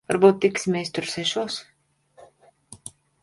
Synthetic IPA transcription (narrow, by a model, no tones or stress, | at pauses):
vaɾbuːt̪̚ːiksʲimʲɛst̪uɾsɛʃuɔs